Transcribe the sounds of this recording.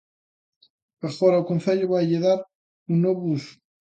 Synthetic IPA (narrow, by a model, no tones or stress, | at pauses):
aɣɔɾɐukonθeʎʊβajʎeðaɾ | unoβus